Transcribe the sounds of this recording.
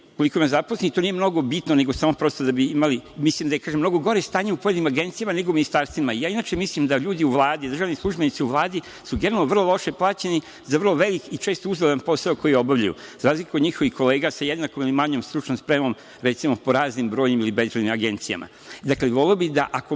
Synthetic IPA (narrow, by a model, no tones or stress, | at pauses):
uko̞likoimazaposleit̪onijemno̞ɡo̞bit̪none̞ɡosaːmopɾo̞st̪od̪abiimalimislimd̪ajekaːʒemːno̞ɡoɡo̞ɾest̪aːɲe̞upojenimaɡe̞nt̪sijamane̞ɡouminist̪aːɾst̪ʋimaijaːinaːt͡ʃemislimd̪aʎuːd̪iuʋlˠaːd̪id̪r̩ʒaːʋnislˠuʒbenit̪siuʋlˠaːd̪i | suɡenalnoʋrlˠolˠo̞ʃeplˠaːt͡ɕeni | zaʋərlˠo̞ʋe̞likit͡ʃeːst̪ouzɡled̪anpo̞saoko̞jijeo̞baʋʎajṵzaɾaːzlikad̪ɲixo̞ʋixko̞le̞ːɡasajed̪naːko̞milimaɲoːmst̪ɾut͡ʃnomspɾemo̞m | ɾet̪simopo̞ɾaːznimbɾoːjɲimilibe̞zɾed̪nimaɡe̞nt̪sija̰mʔa̰ | d̪akleʋo̞leobid̪aʔako